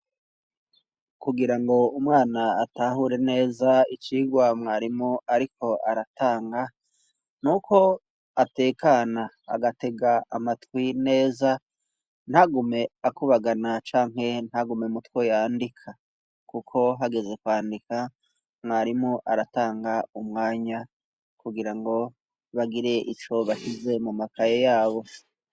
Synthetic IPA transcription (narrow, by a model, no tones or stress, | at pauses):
kuɡiɾaŋɡo̞umŋaːnaːtaɦuɾe̞ne̞ːzait͡ʃiːɡwamŋaːɾimoaɾikʰo̞ʔaɾataːŋɡa | nuko̞ | ate̞ːkana | a̰ɡate̞ɡaamatwine̞ːza | n̥haɡume̞akuβaɡanat͡ʃaːŋɦe̞n̥haɡumemutwojaːndikʰa | kukʰo̞ɦaɡe̞ze̞kwaːndika | ŋaɾimŋoʔaɾataːŋɡaumŋaːɲa | kuɡiɾaŋɡo̞ | βaɡiɾe̞ʔit͡ʃo̞βaʃize̞mumakajejaːβo̞